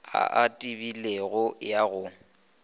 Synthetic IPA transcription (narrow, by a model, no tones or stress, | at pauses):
a̰ʔatʼibileɣʊjaɣʊ